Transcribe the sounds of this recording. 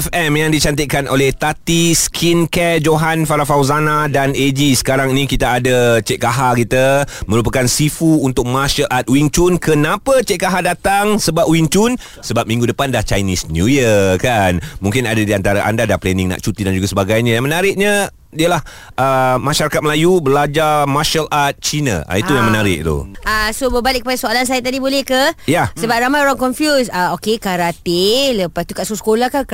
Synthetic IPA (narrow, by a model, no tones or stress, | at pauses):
fɛmjaŋdit͡ʃant̪iʔkanʔolɛht̪at̪iskʰinkɛd͡ʒoɦanfaɾafawzanadaned͡ʒisə̥kaɾaŋinĩkit̪aːdət͡ʃɛʔkaɦakit̪amə̃ɾup̬akansifuunt̪ʊk̚maʃəlʔat̪̚wiŋt͡ʃunkənãpət͡ʃeʔkaɦadat̪aŋsəbap̚wint͡ʃun | səbap̚mĩŋɡudəpandaht͡ʃajnisnjujəkanmũŋkɪnadadiant̪aɾaʔa̰ndadahplɛnĩŋna̰ʔt͡ʃut̪idand͡ʒuɡasəbaɡajɲãjaŋmənaɾɪʔ̚ɲə̃ | diəlah | ʔəmaʃaɾakat̪̚məlajubəlad͡ʒarmaʃalat̪̚t͡ʃina̰ʔa̰iujaŋmənaɾɪʔ̚t̪ṵasobəbalɪʔkːəpadasoalans̬ajat̪adibolɛhkəjasəbap̚ɾamajoɾaŋkɔnfjusaokekaɾat̪eləpast̪ukaʔsosə̥kolahka